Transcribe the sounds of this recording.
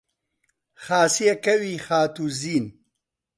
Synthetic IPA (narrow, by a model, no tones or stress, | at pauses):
xaːsijɐkɐwixaːt̪uziːn